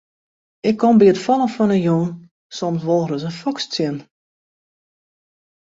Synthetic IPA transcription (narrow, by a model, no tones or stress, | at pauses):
ɪkʰːɔmbiətfɔlˠəfɔnəjun | sɔmsʋolˠrəsənfɔkst͡sɪn